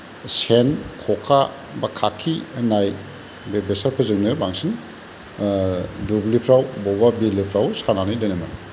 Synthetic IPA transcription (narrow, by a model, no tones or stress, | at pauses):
senkʰɔkʰa | bakʰakʰːinaj | bebesaɾpʰɯzɯŋnɯbaŋsin | dublipʰɾawbɔbabilipʰɾawsananɯjdɔjnama